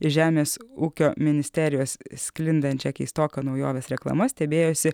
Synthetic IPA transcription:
ɪʒʲæːmʲeːsuːkʲoːmʲɪnʲɪsʲt̪ʲæɾʲɪjoːssʲkʲlʲɪnd̪ɐnt̪ʲt͡ʃʲɛkʲist̪oːkɐnɒʊjo̰ːʋʲeːsɾʲɛklˠɐ̰mɐsʲt̪ʲɛbʲeːjosʲɪ

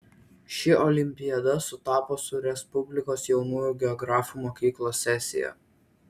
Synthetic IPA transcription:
ʃʲɪʔɔlʲɪmʲpʲɪjɛd̪ɐsʊt̪ɑːpoːsʊɾʲɛspʊbʲlʲɪkoːsjɛʊnuːjuːˑɡʲɛɔɡɾɑːfuːmokʲiːklˠoːsʲːɛsʲɪ̰jɛ̰

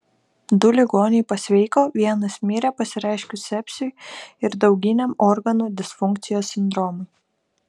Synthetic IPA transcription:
d̪ʊlʲɪɡoːnʲɛɪpɐsʲʋʲɛɪkoːʋʲiɛnɐsmʲiːɾʲɛpɐsʲɪɾʲɛɪʃʲkʲʊsʲɛpʲsʲʊɪɾd̪ɒʊɡʲɪnʲɛmɔɾɡɐnuːd̪ʲɪsfʊŋʲk̚t̪sʲɪjoːsːʲɪnd̪ɾɔːmʊj

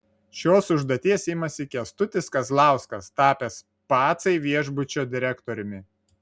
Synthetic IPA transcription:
ʃʲoːsʊʒd̪oːt̪ʲiɛsɪmɐsʲɪkʲɪɐst̪ʊt̪ʲɪskɐslˠɑˑʊskɐst̪ɑːpʲɛs | pɑːt̪sɐɪʋʲiɛʒbʊt͡ʃʲoːd̪ʲɪɾʲɛkt̪ɔɾʲʊmʲɪ

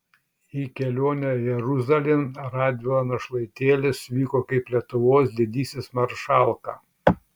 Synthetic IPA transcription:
ikʲɛlʲoːnʲɛjɛɾʊzɐlʲɪnɾɑːd̪ʲonɐʃlˠɐɪt̪ʲeːlʲɪsʋʲiːkoːkɐɪplʲiɛt̪ʊʋoːsd̪ʲɛd̪ʲiːsʲesmɐɾʃɑˑlˠkɑː

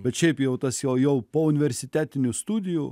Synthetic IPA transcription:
bʲɛt̪ʃʲɛɪpjɛʊt̪ɐsjɛʊjɛʊpoːʊnʲɪʋʲɛɾʲsʲɪt̪ʲæːt̪ʲɪnʲʊst̪uːd̪ʲɪju

